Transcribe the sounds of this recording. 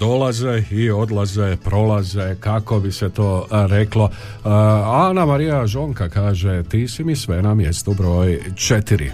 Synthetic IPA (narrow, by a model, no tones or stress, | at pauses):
d̪̥o̞lazeio̞d̪lˠazepɾo̞lazekako̞biset̪o̞ːɾeklo̞ | anamaɾijaʒo̞ŋkakaːʒet̪iːsimisʋe̞namje̞st̪ubɾo̞ːjt͡ʃet̪iɾḭ